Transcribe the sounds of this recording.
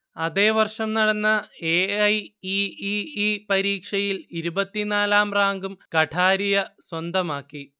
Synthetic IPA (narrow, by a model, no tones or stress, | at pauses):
ɐðe̞ːʋɐrʂɐmnɐɽɐnːɐeɐjiiipɐɾiːkʂɐjiliɾubɐt̪ːinaːlaːmraːŋɡumkɐʈʰaːɾijɐswɐnd̪ɐmaːkːi